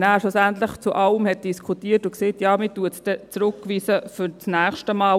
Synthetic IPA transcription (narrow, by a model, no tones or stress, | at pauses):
næːʃusæntləχt͡suʔɑləmhɛt̚d̥iskʰutiːətʊkseːtjɑːmɪtuətsd̥ɛt͡sɾʊkːʋiːsəfʏɾt͡snæːχʃtəmɑː